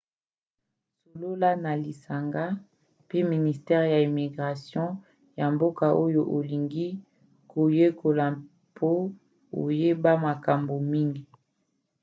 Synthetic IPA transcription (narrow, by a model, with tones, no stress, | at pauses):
so˨lo˦la˦na˨li˨sa˨ŋɡa˦ | pe˦mi˨ni˨stɛ˦ʁja˨i˨mi˨ɡʁa˨sjɔ̃˦ | ja˨mbo˦ka˨ʔo˦jo˨ʔo˨li˨ŋɡi˦ | kʰo˨je˦kʰo˨la˨ | pʰo˦ | o̰˨je˦ba˦ma˨ka˨mbo˨mi˦ŋɡi˨